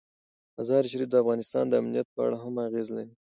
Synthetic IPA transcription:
azɑɾʃ̬aɾifd̪əafɣɑnɪst̪ɑnd̪əamnijat̪̚pəa̰ɽaɦamaɣezlaɾi

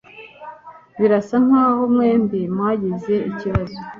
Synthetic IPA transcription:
βiɾasan̥haːhomŋeːmbimwaːɟize̞iciβazo

